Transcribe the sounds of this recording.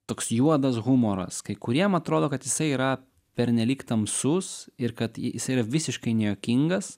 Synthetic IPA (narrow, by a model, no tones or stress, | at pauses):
t̪oːksjuɔd̪ɐsɣʊmoːɾɐ̰skɐɪkʊɾʲiɛmɐɐt̪ɾoːd̪oːkɐt̪jɪsɐɪiːɾɐ | pʲɛɾʲnʲɛlʲiːkt̪ɐmsʊsɪɾkɐt̪jɪsɐɪiɾɐʋʲɪsʲɪʃkɐɪnʲɛjoːkʲɪŋɡɐs